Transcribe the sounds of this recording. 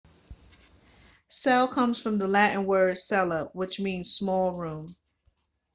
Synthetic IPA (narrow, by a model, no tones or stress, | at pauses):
sɛlˠkʰʌ̃mz̥fɹʌ̃mðəlæʔn̩wə˞ɨsɛlˠʌp̚wɨt͡ʃmĩnz̥smɔlˠɹũm